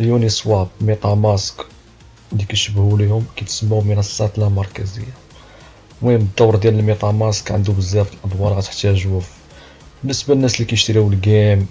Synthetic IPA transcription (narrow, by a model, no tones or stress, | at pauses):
ljunisˤwɑb̚mit̪ˤɑʕmæsk | likæʃəbhulihʊmkæt̪səmːamənæsːæt̪lamɑɾˤkæzə̰jːa | wæəd̪ːɑwːɾˤd̪jæləlmit̪ˤɑʕmɑskʕə̰nd̪ubəzːæfəlʔɑd̪ˤwɑlɣæt̪ə̥ħt̪æʒuf | bənːəsbalənːæslikæjʃt̪ɾiwəlɡæm